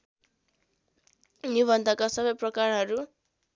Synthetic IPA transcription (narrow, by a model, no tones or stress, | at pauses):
nibʱʌnd̪ʱʌkasʌbʌjprʌkarɦʌɾu